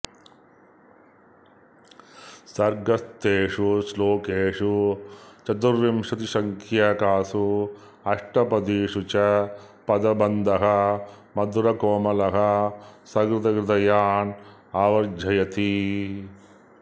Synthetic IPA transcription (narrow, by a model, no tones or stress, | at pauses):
sɐɾɡɐst̪eːʂusloːkeːʂut͡ʃɐt̪uɾʋimʂɐt̪iʃɐŋkʰjaːkaːsu | ɐʂʈɐpɐd̪iʂut͡ʃɐ | pɐd̪ɐbɐnd̪ʱɐɦɐ | mɐd̪uɾɐkoːmɐlɐɦɐsɐɡɾɪt̪ɐkɾɪt̪ɐjaːn | aːʋɐɾd͡ʒʱɐjɐt̪i